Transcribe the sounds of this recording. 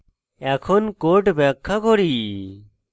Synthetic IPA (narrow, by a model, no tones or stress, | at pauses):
ɛkʰɔnkoɾʈbɛkʰːakɔɾi